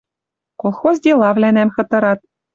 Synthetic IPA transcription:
kolˠxozʲdʲelˠɑvlʲænæmxɤ̆t̪ɤ̆ɾɑt̪̚

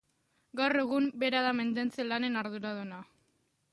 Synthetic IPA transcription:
ɡawre̞ɣumbe̞ɾaðame̞nd̪e̞nt͡selane̞naɾðuɾaðena

